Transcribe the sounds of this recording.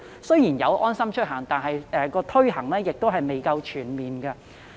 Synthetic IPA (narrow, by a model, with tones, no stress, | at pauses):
sɵ˥ɥjiː˨˩njɐ˨˧wʔɔː˥nsɐ˥mt͡ʃʰɵ˥t̚ɦɐː˨˩ŋt̪aː˨nɦɐ˨jɛː˨˧kɔː˧t̪ʰɵ˥ɥɦɐ˨˩ŋlɛː˥jɪ˨k̚t̪o˥ɦɐ˨jme˨jkɐ˧wt͡ʃʰyː˨˩nmiː˨nɡɐː˧